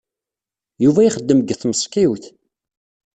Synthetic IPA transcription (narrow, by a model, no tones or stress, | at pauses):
juvæjiχəd̪ːəməɡθməsˤkiwθ